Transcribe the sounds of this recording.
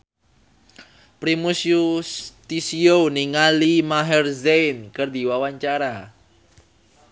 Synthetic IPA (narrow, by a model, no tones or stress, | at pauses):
pɾimusjust̪isiowniŋalimaɦɛrzejnkɨrd̪i̤wawaɲt͡ʃaɾa